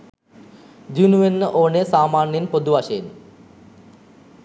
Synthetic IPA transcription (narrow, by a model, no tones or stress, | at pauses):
d͡ʑunuʋenːəʔoːɳesaːmaːnjɐnpod̪uʋaːɕɐjn